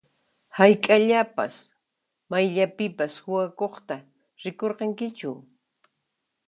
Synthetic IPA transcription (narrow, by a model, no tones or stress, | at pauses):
hajkʼaʎapa̰s | majʎapɪpashʊwakoχt̪a | ɾɪkoɾqɑŋkɪt͡ʃʊ